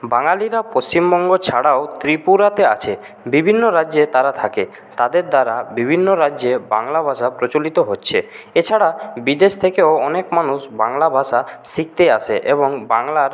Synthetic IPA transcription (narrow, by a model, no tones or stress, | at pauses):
baŋaliɾapost͡ɕimbɔŋɡot͡ɕʰaɽaot̪ɾipuɾat̪ea̰t͡ɕʰe | bibʱinːoɾaʑet̪aɾat̪ʰake | t̪ad̪eɾd̪aɾabibʱinːoɾad͡ʑd͡ʑeba̰ŋlabʱaʃapɾot͡ɕolit̪oɦotːɕʰeet͡ɕʰaɽabid̪eʃt̪ʰekeoɔnekmanuʃbaŋlabʱaʃasik̚t̪eaʃʰḛʔeboŋbaŋlaɾ